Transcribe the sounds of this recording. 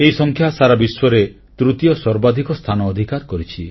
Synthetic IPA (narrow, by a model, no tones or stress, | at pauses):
ejsɔŋkʰjasaɾabiswɔɾe | t̪ɾut̪ijɔsɔɾbad̪ʱikɔst̪ʰanɔːd̪ʱikaɾkɔɾit͡ʃʰi